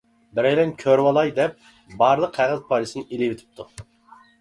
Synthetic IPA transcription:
bɪɾɛjlɛnkʲʰøɾwɑlˠɑjd̪ɛp̚ | bɑːɾlˠəqʰæʁɨzpʰɑlˠɨsɨnɨʔilɪwɪt̪ʰɪ̥p̚t̪ʰu

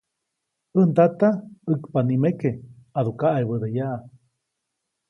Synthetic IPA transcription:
ənd̪at̪aɨkpanimekeaðukaʔajβəd̪eja

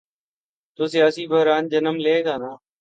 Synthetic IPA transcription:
t̪oːsɪjaːsiːbəɦɾaːnd͡ʒənəmleːɡaːnaː

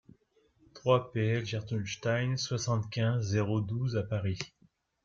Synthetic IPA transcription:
t̪χwapeɛlʒaʁt̪unʃt̪ajnswasɑ̃t̪kʲɛ̃zːeʁod̪uzapaʁi

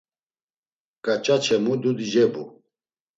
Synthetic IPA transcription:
kʼat͡ʃʼat͡ʃʰɛmud̪ud̪id͡ʒɛbu

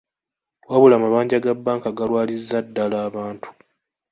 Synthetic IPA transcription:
waβulamaβaːɲɟaɡabːaːŋkaɡalwaːlizːadːalaːβaːntʰu̥

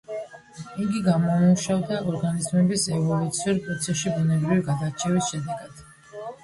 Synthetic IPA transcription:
iɡiɡamɔmuʃavd̪aɔɾɡanizmɛbisɛvɔlˠut̪sʰiuɾpʼɾɔt̪sʰɛsʃibunɛbɾiviɡad̪at͡ʃʰɛvisʃɛd̪ɛɡad̪̥

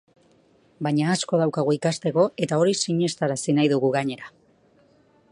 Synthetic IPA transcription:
baɲaːsko̞ðawkaɣ̞uikast̪e̞ko̞e̞t̪ao̞ɾisiɲe̞st̪aɾasinajðuɣuɣaɲe̞ɾa

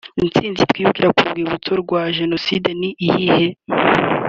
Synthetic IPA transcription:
int͡siːnzit̪wiːβukiɾakubɡiːuβutoɾɡwaʒe̞no̞sideniʔihihe

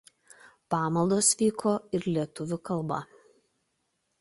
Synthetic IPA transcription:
pɑːmɐlˠd̪oːsʋʲiːkʰoːɪɾlʲiɛt̪ʊʋʲʊkɐlˠˑbɐ̰

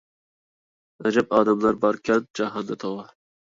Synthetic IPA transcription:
ad͡ʒapɑːd̪amlaɾbɑɾkʰʲat̪̚d͡ʒaɦɑnd̪at̪ʰɒwɑ

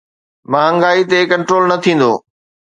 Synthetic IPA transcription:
mãːɐ̃ŋɡaːit̪ekɐ̃ɳʈɾoːlnɐt̪ʰĩːn̆d̪o̰ː

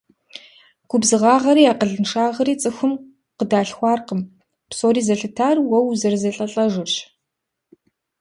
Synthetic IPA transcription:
ɡ̥ʷʊbzɨʁɑːʁɐɾiːaːqəɮɨnʂaːʁɐɾiːt͡sʼɨxʷʊm | qədaːɬxʷɑːrqəm | psʼoːɾiːzɐɬɨtʰaːrwɐwzɐrzɐɬʼɐɬʼɐʒɨɕ

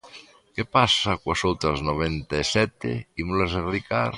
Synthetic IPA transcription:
kepasakwasowt̪ɾaznoβ̞ent̪aesɛt̪ḛimulazeɾikaɾ

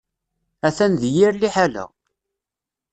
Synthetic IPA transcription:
æθænðjiɾliħalæ̰

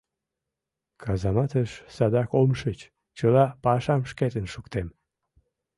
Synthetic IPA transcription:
kʰɑzɑmɑt̪əʃsɑd̪ɑkomʃət͡ɕ | t͡ɕəlɑpɑʃɑmʃket̪ənʃukt̪em

